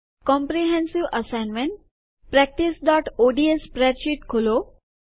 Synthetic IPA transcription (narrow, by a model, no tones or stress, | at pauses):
kɔ̃mpɾiɦɛ̃nsiʋəsajnmeɳʈ̚ | pɾɛk̚ʈisɖɔʈoɖiespɾɛɾɕiʈkʰolo